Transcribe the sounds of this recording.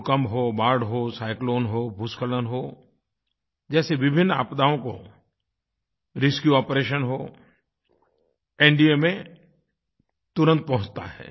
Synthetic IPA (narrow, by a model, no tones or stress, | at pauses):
kəmɦobaːɾɖɦosaːɪkloːnɦobʱʊskələnɦoː | d͡ʒɛːseʋɪbʱɪnːa̰ːpd̪aːõko̰ | ɾɪskjuɔːpɾeːʃənɦoː | ɛːɳɖiemẽ | t̪ʊɾə̃nt̪̚pɐɦʊ̃t͡ʃt̪a̰ɦɛ̰ː